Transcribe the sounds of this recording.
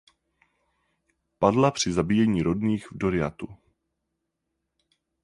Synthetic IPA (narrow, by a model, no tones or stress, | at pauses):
padlapr̥ɪzabiːjɛɲiːɾo̞dniːxvdo̞ɾɪa̰t̪u